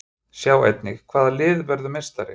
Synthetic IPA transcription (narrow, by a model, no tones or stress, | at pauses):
sjaːwḛjt̪nɪxkʰv̥aːðalɪːðvɛɾðʏmɛst̪aɾɪ̰